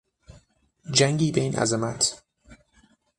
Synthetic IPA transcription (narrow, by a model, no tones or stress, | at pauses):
d͡ʒæŋɟiːbeinʔæ̰zemæt̪ʰ